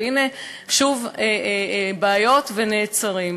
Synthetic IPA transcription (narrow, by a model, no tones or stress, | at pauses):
ine | ʃuvebaːjo̞t̪veneːt͡saʁim